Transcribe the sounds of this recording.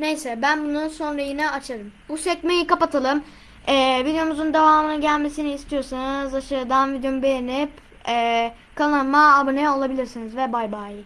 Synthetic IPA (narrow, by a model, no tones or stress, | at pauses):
ne̞jsɛbænbununso̞nɾajinɛat͡ʃʰaɾɯm | usɛcmejikapat̪ʰalˠɯm | ɛːvid̪eo̞muzund̪e̞vaːmɯnɯɟælʲme̞siniːst̪ʰijo̞sanɯzaʃaɾɯd̪anvid̪eomubejenip | ɛː | kʰalˠanmaːbɯnɛo̞lˠabilʲiɾsinizvɛbajbaːjɯ